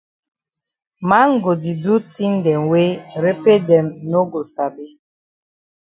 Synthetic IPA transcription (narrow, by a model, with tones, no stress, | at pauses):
ma˦ŋ̩˦ɡo˨di˨du˦ti˦n̩˦dɛ˨ŋwe˦ɾe˦pe˦dɛ˨mno˦ɡo˨sa˨be˦